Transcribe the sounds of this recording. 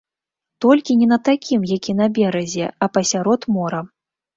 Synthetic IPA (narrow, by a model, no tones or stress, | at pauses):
t̪ɔlʲkʲinʲɛnɐt̪akʲimjakʲinɐbʲɛɾɐzʲɛɐpɐsʲaɾɔt̪mɔɾɐ